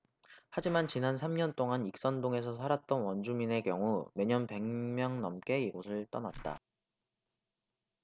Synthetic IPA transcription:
had͡ʑimant͡ɕinansʰamɲʌnt͈oŋanik̚s͈ʌndoŋe̞s̬ʰʌsʰaɾat̚t͈ʌnwʌnd͡ʑumine̞kjʌŋume̞ɲʌnpe̞ŋmjʌŋnʌmk͈e̞iɡosʰɯɭt͈ʌnat̚t͈a̰

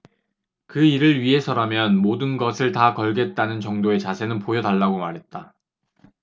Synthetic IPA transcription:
kɯiɾɯɭɥiɦe̞sʰʌɾamjʌnmodɯnɡʌsʰɯɭtakʌɭɡe̞t̚t͈anɯnt͡ɕʌŋdoe̞t͡ɕasʰe̞nɯnpojʌdaɭːaɡomaɾɦe̞t̚t͈a

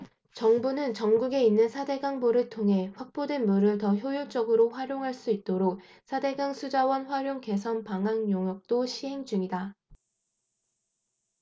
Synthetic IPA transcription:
t͡ɕʌŋbunɯnt͡ɕʌŋɡuɡe̞inːɯnsʰade̞ɡaŋboɾɯɭtʰoŋɦe̞ɸwak̚p͈odwe̞nmuɾɯɭtʌçjojoɭt͡ɕ͈ʌɡɯɾoɸwaɾjoŋɦaɭs͈uit̚t͈oɾok̚ | sʰade̞ɡaŋsʰud͡ʑawʌnɸwaɾjoŋke̞sʰʌnpaŋɦaŋjoŋjʌk̚t͈oɕʰiɦe̞ŋd͡ʑuŋida

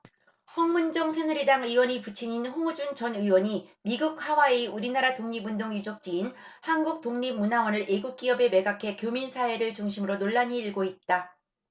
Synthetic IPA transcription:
hʌŋmund͡ʑʌŋsʰenɯɾidaŋɯwʌɲiput͡ɕʰiɲinɸoŋud͡ʑunt͡ɕʌnɯwʌɲimiɡuk̚hawaeuɾinaɾatoŋɲibundoŋjud͡ʑʌk̚t͡ɕ͈iin | hanɡuk̚t͈oŋɲib̚munawʌnɯɾʔeɡuk̚k͈iʌbe̞me̞ɡakʰe̞kjominsʰae̞ɾɯɭt͡ɕuŋɕʰimɯɾonoɭːaɲiːɭɡoit̚t͈a

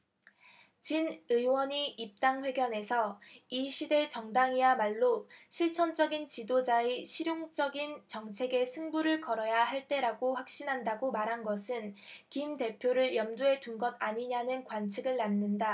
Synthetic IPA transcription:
t͡ɕinɯwʌɲiʔip̚t͈aŋɸwe̞ɡjʌne̞sʰʌiɕʰide̞t͡ɕʌŋdaŋiamaɭːoɕʰiɭt͡ɕʰʌnd͡ʑʌɡint͡ɕidod͡ʑaeɕʰiɾjoŋt͡ɕ͈ʌɡint͡ɕʌŋt͡ɕʰe̞ɡe̞sʰɯŋbuɾɯɭkʌɾʌjaɦaɭt͈e̞ɾaɡoɸwak̚ɕ͈inɦandaɡomaɾɦanɡʌsʰɯnkimte̞pʰjoɾɯɭjʌmduɦe̞dunɡʌdaɲiɲanɯnkwant͡ɕʰiɡɯɭːanːɯnda

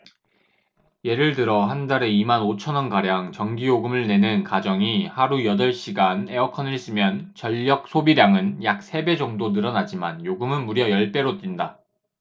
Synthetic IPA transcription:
je̞ɾɯɭtɯɾʌɦandaɾe̞imanot͡ɕʰʌnʌnkaɾjaŋt͡ɕʌŋɡijoɡɯmɯɭne̞nɯnkad͡ʑʌŋihaɾujʌdʌɭɕ͈iɡane̞ʌkʰʌnɯɭis͈ɯmjʌnt͡ɕʌʎːʌk̚sʰobiɾjaŋɯnjak̚s͈ʰe̞be̞d͡ʑʌŋdonɯɾʌnad͡ʑimanjoɡɯmɯnmuɾjʌjʌɭp͈e̞ɾot͈inda

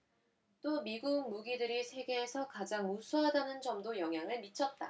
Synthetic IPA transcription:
t͈omiɡuɡ̚muɡidɯɾisʰe̞ɡe̞ːsʰʌkad͡ʑaŋmusʰuɦadanɯnd͡ʑʌmdojʌŋɦjaŋɯɭmit͡ɕʰʌt̚t͈a̰

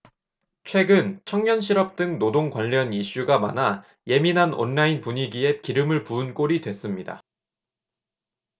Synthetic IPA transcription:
t͡ɕʰwe̞ɡɯnt͡ɕʰʌŋɲʌnɕʰiɾʌp̚t͈ɯŋnodoŋkwaʎːʌniɕ͈uɡama̰na | je̞minɦanʔʌ̰nːainpuɲiɡie̞kiɾɯmɯɭpuɯnk͈oɾidwe̞s͈ɯmɲida̰

